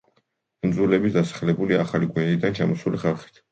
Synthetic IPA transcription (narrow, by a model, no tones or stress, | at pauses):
md̪zulɛbisd̪asḁχlɛbuliaχalikʼwɛnd̪id̪ant͡ʃʰamɔsuliχalˠχi̥t̪ʰ